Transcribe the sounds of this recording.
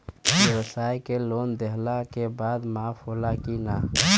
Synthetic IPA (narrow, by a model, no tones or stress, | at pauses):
bewəsaikelond̪eɦlakebad̪mapʰolakina